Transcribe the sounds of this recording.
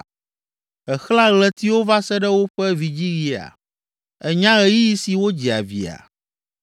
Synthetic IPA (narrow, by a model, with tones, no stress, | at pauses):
ɛ˨xl̃ã˦ɣlɛ˦t̪i˦wo˦va˦sɛ˦ɖɛ˦wo˦ɸɛ˦vi˨d͡ʑi˦ɣi˨a̰˨ | ɛ˨ɲã˦ɣɛ˨ji˦ji˦si˨wo˦d͡ʑi˨a̰˨vḭ˨a̰˨